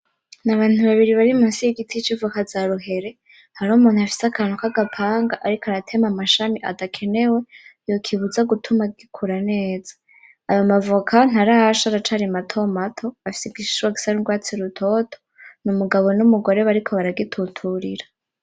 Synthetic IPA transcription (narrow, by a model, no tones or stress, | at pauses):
naβaːn̥uβaβiɾiβaɾimunsijiɡitʰit͡ʃivukazaɾuɦe̞ɾe̞ | haɾomuːn̥huafi̥sakanukaɡapʰaːŋɡaʔaɾikoaɾatʰe̞mamaʃamiʔa̰ɡakʰe̞ne̞we̞jo̞kʰiβuzaɡutʰumaɡikʰuɾane̞ːz̥ḁː | jomavukʰan̥haɾaaʃaɾat͡ʃaɾimatʰo̞matʰo̞βafi̥sib̚ɡiʃu̥ʃuwaɡisaɾiŋɡwaːt͡siɾutʰo̞tʰo̥numuɡaβo̞numuɡo̞ɾe̞βaɾikʰo̞βaɾaɡitʰutʰuɾiɾa